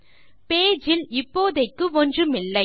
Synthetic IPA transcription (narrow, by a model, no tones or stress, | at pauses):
peːd͡ʒɪlɪpːoːðɐɪkːɯɔndrɯmɪlːɐɪ